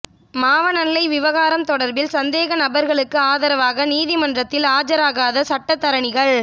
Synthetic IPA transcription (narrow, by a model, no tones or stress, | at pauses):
maːʋɐnɐnːɐɪʋɪʋɐɣaːɾɐmt̪ɔɽɐɾbɪlsɐnd̪eːɣɐnɐbɐɾɣɐɭɯkːɯaːðɐɾɐʋaːɣɐniːðɪmɐndrɐt̪ːɪlaːd͡ʒɐɾaːɣaːðɐsɐʈːɐt̪ːɐɾɐɳɪɣɐɭ